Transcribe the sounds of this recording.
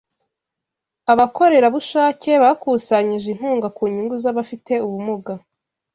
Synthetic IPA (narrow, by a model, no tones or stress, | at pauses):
aβakʰo̞ɾe̞ɾaβuʃaːce̞βakuːsaɲiʒin̥huːŋɡakuːɲiŋɡuzaβafite̞uβumuɡa